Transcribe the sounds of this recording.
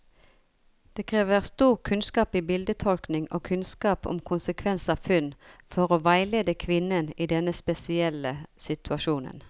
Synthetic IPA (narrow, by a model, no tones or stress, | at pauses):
d̪̥eːkʰʁeːʋəʁst̪uːʁkʰʉnskɑːpiːbɪld̪ət̪ʰɔlknɪŋo̰ːkʰʉnskɑːpɔ̰mkʰʊnsəkʰʋɛnsɑːʋfʉnfɔʁoːʋæɪleːd̪əkʰʋɪnːəniːd̪ɛnːəspɛsɪɛlːəsɪt̪ʰʉɑʃuːnə̰n